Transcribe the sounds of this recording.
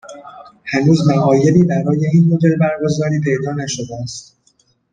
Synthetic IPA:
hænuːzmæʔɒːje̞liːbæɾɒːje̞iːnmo̞d̪e̞lbæɾɡo̞zɒːɾiːpʰe̞jd̪ɒːnæʃo̞d̪eæst̪

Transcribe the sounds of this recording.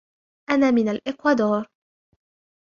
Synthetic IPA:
ʔanaːmɪnalʔɪqwad̪oːɾ

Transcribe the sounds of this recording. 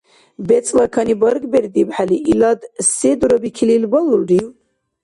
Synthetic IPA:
bɛt͡sʼlɑkʰɑnibəɾɡbɛɾd̪ibħaliʔilɑd̪sed̪uɾɔbikʰililbɔluɖiw

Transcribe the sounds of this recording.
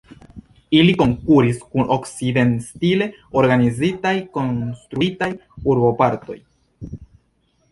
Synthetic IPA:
iliko̞ŋkuɾiskuno̞kside̞nstile̞o̞ɾɡanizitajko̞nstɾuitajuɾbo̞paɾto̞̰j

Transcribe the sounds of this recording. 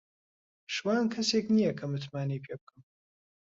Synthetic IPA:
ʂwaːnkʰɐseːkʼnijɐkʰɐmɨt̪ʰmaːnipʰep̚kʼɨm

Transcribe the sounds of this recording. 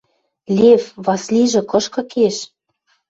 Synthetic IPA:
lʲevβɑsliʒɤ̆kɤ̆ʃkɤ̆keʃ

